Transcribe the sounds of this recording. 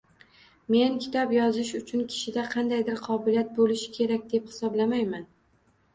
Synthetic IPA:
me̞nkʲʰɪ̥t̪ʰɒpjɒzɪʃʊt͡ʃʰʊnkʲʰɪ̥ʃɪd̪aqʰɑnd̪ajd̪ɪɾqʰɒbɪlijat̪̚bolɪʃɪ̥kʲʰe̞ɾak̚ʲd̪e̞phɪ̥sɒblamajman

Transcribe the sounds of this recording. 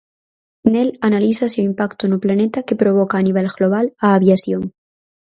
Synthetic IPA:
nelanaliθasuimpakt̪onuplanet̪ake̞pɾoβ̞okaːniβ̞elɣloβ̞alaːβjasjoŋ

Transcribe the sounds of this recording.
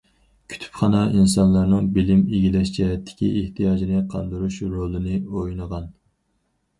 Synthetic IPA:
kʲʰy̥t̪ʰy̥pχɑnɑʔinsɑnlˠɑɾnɨŋbɪlɪmeɡʲilɛʃt͡ʃʰɛɦɛt̪ʰːɪ̥kʲʰḭʔeht̪ʰijɑːd͡ʒinɨqʰɑnd̪uɾuʃɾolˠɨnɨojnəʁɑn

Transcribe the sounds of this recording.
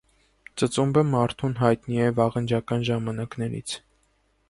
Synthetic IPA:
t͡sət͡sumbəmɑɾt̪ʰunɦɑjt̪niɛvɑʁənd͡ʒɑkɑnʒɑmɑnɑknɛɾḭt͡sʰ

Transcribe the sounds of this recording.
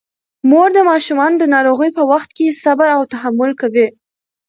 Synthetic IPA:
moɾd̪əmɑʃumɑnd̪ənɑɾoɣəjpəwaxt̪̚kesabaɾawt̪aɦamʊlkawe

